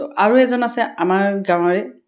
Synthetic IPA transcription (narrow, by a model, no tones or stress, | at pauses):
ʔaɹuɛzɔnasɛamaɹɡãw̃ɔɹɛ